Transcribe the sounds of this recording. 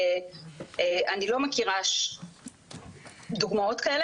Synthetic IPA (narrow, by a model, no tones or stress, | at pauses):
e | eanilo̞mekiʁaʃ | d̪uɡmao̞t̪kael